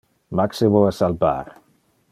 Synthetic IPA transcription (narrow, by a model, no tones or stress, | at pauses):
maksevoasalba̰ːɾ